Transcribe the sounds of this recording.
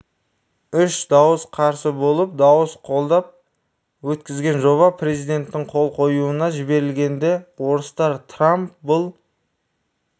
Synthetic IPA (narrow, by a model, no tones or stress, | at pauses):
ʏʃd̪ɑwəsqʰɑɾsəbo̞lˠəp̚d̪ɑwəsqʰo̞lˠd̪ɑp̚ | wɵt̪kʲɪzɡʲe̞nʒo̞βɑpre̞zijd̪e̞nt̪ːɪɴqʰo̞lˠqʰo̞juənɑʒɪbe̞ɾɪlɡʲe̞nd̪e̞wo̞ɾəst̪ɑɾt̪ʰrampbʊlˠ